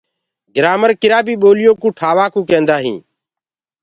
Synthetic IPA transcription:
ɡɪɾaːməɾkɪɾaːbiːɓoːlɪjõːkũːʈʰaːʋaːkũːkẽːnd̪aːɦḭ̃ː

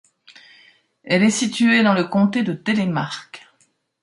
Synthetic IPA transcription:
ɛlɛsit̪yed̪ɑ̃ləkɔ̃t̪ed̪ət̪elɛmaʁkʲ

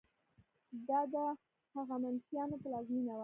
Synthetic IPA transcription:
d̪ɑd̪ə | haɣamansjɑnopəlɑzminawa

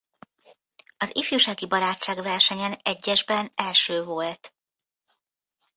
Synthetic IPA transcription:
ɒzḭfjuːʃaːɡibɒɾaːt͡ʃt͡ʃːaːɡvɛrʃɛɲɛnɛɟːɛʒbɛnɛlʃøːvo̞lt̪

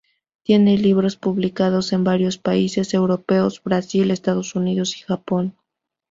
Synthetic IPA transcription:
t̪je̞ne̞liβɾo̞spuβlikað̞o̞se̞mbaɾjo̞spaise̞se̞wɾo̞pe̞o̞zbɾasile̞st̪aðo̞suniðo̞si̥xapo̞n

